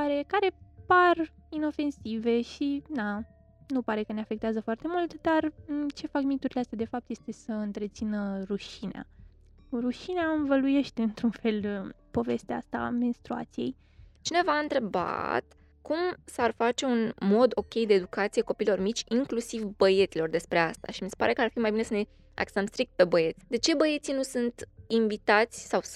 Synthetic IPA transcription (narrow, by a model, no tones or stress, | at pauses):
aɾe̞kaɾe̞parino̞fe̞nsive̞ʃina | nupaɾe̞kəneafe̞k̚t̪eazəfoart̪e̞mult̪d̪art͡ʃe̞fakmit̪uɾileast̪ead̪e̞fap̚t̪je̞st̪e̞səɨnt̪ɾe̞t̪sinəɾuʃinḛa̰ | ruʃineaɨɱvəluje̞ʃt̪e̞ɨnt̪ɾunfe̞l | po̞ve̞st̪eaa̰st̪a̰me̞nst̪ɾua̰t̪sije̞̰j | t͡ʃine̞vaɨnt̪ɾe̞ba̰t̪ | kumsarfat͡ʃe̞unmo̞d̪o̞kʲe̞jd̪eːd̪ukat̪sijeko̞pilo̞rmit͡ʃʲiŋklusivbəje̞t̪silo̞rd̪e̞spɾe̞ast̪a̰ʃimisepa̰ɾe̞kəarfimajbine̞səne̞ | a̰ksəmst̪ɾik̚t̪̚pe̞bəje̞t̪sʲd̪e̞t͡ʃe̞bəje̞t̪sinusunt̪iɱvit̪at̪sʲsaw